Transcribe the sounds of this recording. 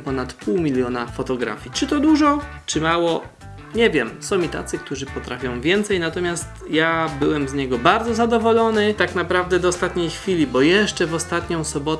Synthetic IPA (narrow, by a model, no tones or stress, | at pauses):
pɔnat̪puwmʲilʲjɔnafɔt̪ɔɡɾa̰fʲjit͡ʂɘt̪ɔd̪uʐɔt͡ʂɘmawɔ | ɲɛvʲjɛmsɔ̃w̃it̪a̰t̪sɘk̚t̪uʐɘpɔt̪ɾafʲjɔ̃w̃vʲjɛnt̪sɛjnat̪ɔmʲjast̪jabɘwɛmzɲɛɡɔbaɾd̪zɔzad̪ɔvɔlɔnɘt̪aknapɾavd̪ɛd̪ɔːst̪at̪ɲejxfʲilʲibɔjɛʂt͡ʂɛvɔst̪at̪ɲɔ̃w̃sɔbɔt̪